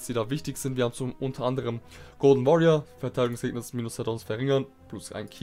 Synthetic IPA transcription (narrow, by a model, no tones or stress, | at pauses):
sd̥iːdaːvɪçtɪçz̥ɪntviɐhaːbm̩t͡sʊʔʊntʰɐʔandəʁ̞əmɡ̥oːdn̩vɔʁiɐfɛɐtʰaɪɪɡʊŋsɡ̥eːk̚nəsmiːnʊsɛɐdʊnsfɛɐʁɪŋɐn | plʊsʔa̰ɪnkʰi